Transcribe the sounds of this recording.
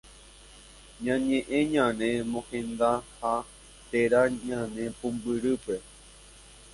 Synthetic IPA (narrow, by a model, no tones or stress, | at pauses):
ɲãɲẽʔẽɲãnẽmõhẽnd̪aha | t̪eɾaɲãnẽpũmbɨɾɨpe